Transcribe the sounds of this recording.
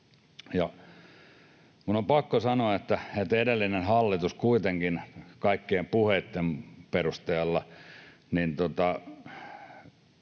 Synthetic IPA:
jɑ | kunompɑkːosɑnoɑet̪ːæet̪edelːinenhɑlːit̪uskuit̪eŋkinkɑikːiːmpuheit̪ːemperust̪eːlːɑ | nint̪ot̪ɑ

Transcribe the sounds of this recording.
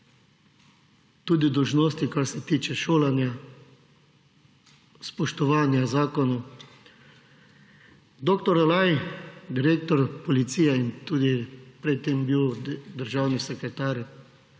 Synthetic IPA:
t̪uːd̪id̪ɔwʒnoːst̪ikaɾsɛt̪iːt͡ʃɛʃoːlɛnja | spɔʃt̪ɔʋaːnjazaːkɔnɔ | d̪okt̪ɔɾalajd̪iɾeːkt̪ɔɾpɔlit̪siːjɛint̪uːd̪ipɾɛt̪ːembiwd̪əɾʒawnisɛkɾɛt̪aːɾ

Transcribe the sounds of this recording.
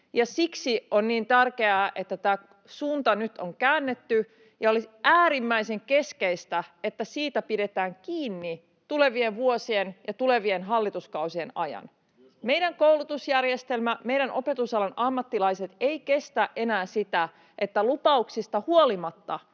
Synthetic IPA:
jɑsiksionniːnt̪ærkeæːʔe̞t̪ːæt̪æː | suːnt̪ɑnyt̪oŋkæːnːet̪ːy | jɑoliæːɾimːæiseŋke̞skeist̪æet̪ːæsiːt̪æpide̞t̪æːŋkiːnːi | t̪ule̞ʋie̞ʋʋuosienjɑt̪ule̞ʋienɦɑlːit̪uskɑusienɑjɑ̰n | mejɾæŋkowlut̪usjærjest̪e̞lmæme̞jɾænʔo̞̰pe̞t̪usɑlɑnʔɑmːɑt̪ːilɑiset̪e̞ike̞st̪æʔʔe̞næːsit̪æ | ʔet̪ːælupɑuksist̪ɑhuolimɑt̪ːɑ

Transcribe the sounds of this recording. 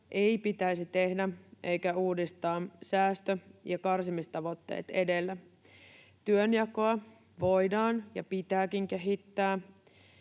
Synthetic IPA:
ʔe̞jpit̪æisit̪e̞hdæʔe̞jkæuːdist̪ɑːsæːst̪øjɑkɑrsimist̪ɑʋo̞t̪ːe̞̰ːt̪e̞de̞lːæ | t̪yønjɑkoɑ | ʋo̞jdɑːnjɑ̰pit̪æːkiŋk̟e̞ɦit̪ːæː

